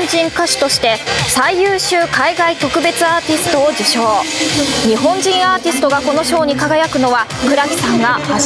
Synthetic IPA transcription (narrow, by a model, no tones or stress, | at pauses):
ɲd͡ʑĩŋkaɕi̥t̪o̞ɕi̥t̪e̞saijɯːɕɨːkaiɡait̪o̞kɯ̟be̞t͡sɨaːt̪ʲisɨ̥t̪o̞ːd͡ʑiɕo̞ːɲ̟iɦõ̞ɲd͡ʑĩɰ̃aːt̪ʲisɨ̥t̪o̞ɡako̞no̞ɕo̞ːɲ̟ikaɡajakɯ̟no̞βa | kɯ̟ɾakʲi̥sãŋɡaha